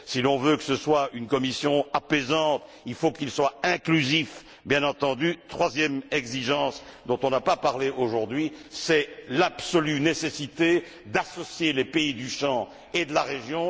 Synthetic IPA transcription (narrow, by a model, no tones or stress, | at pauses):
silɔ̃vøkəsəswaynkɔmisjɔ̃apezɑ̃t̪ | ilfokilswaɛ̃klyzif | bjɛ̃nɑ̃t̪ɑ̃d̪yt̪χwazjɛmɛɡziʒɑ̃sd̪ɔ̃t̪ɔ̃napapaʁleʔoʒuʁd̪ɥisɛlabsɔlynesesit̪e | d̪asɔsjelepeid̪yʃɑ̃ | ed̪əlaʁeʒjɔ̃